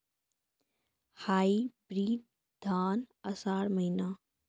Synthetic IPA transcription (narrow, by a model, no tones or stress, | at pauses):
haːibɾiːd̪ | d̪ʱaːnɐsaːɽmɐɦinaː